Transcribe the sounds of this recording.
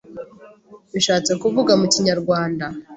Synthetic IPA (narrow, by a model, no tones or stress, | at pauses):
βiʃaːt͡se̞kuvuɡamuciɲaɾɡwaːnda